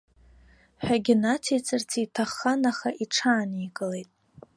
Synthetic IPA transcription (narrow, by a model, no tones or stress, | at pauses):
ħᶣaɡʲɪnatʰejt͡sʼɨrt͡sʰitʰaχːanaχaʔiʈ͡ʂʰaːnikʼɨle̞jtʼ